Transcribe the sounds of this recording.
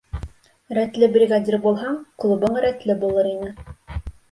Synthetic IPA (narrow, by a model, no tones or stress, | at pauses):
ɾæt̪lɘbrʲiɡad̪ʲirbulˠɦɑɴqlˠubɤɴɾæt̪lɘbulˠɤɾinɘ